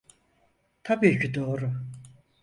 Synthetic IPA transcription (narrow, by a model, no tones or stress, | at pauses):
t̪ʰapeːcʰyd̪oːɾu